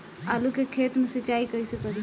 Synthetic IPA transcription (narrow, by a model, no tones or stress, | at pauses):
alukekʰeːt̪mesət͡ʃaikəisəkəɾi